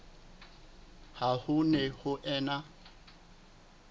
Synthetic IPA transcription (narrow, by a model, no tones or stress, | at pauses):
hahʊnɛhʊʔɛːna